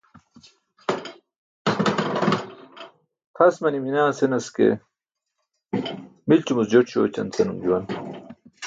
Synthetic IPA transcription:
qʰɐsmɐniminaːsenɐskḛ | milt͡ɕumusd͡ʑoʈ͡ʂɕo̰ːt͡ɕɐ̰nt͡sɐnumd͡ʑuwɐn

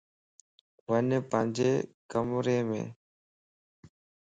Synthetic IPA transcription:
ʋənpəɪɲd͡ʑeːkəmɾeːmḛ̃ː

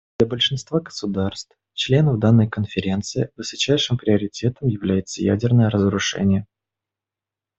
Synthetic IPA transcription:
d̪lʲəbəlʲʂɨnst̪vaɡəsʊd̪arst̪f | t͡ɕlʲe̞nəvd̪anːəjkənfʲɪɾʲe̞nt̪sɨɪvɨsɐt͡ɕæjʂɨmpɾʲɪəɾʲɪtʲe̞t̪əmjɪvlʲæjɪt̪səjæ̰dʲɪrnəjəɾəzɾʊʂɛ̰nʲɪjə

